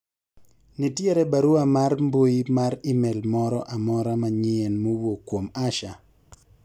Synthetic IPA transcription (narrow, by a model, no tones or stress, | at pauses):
nitjeɾɛbaɾuamarmboimaɾɪmɛlmɔɾɔʔamɔɾamaɲɪɛnmowokwomaʃa